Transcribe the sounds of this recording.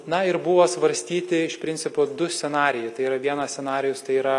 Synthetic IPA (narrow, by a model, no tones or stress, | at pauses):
nɐɪɾbʊʋoːsʋɐɾʲsʲt̪ʲiːt̪ʲɪɪʃpʲɾʲɪnʲtsʲɪpoːd̪ʊsʲɛnɑːɾʲɪjɛɪt̪ɐɪiːɾɐʋʲiɛnɐsʲsʲɛnɑːɾʲɪjʊst̪ɐɪiːɾɐ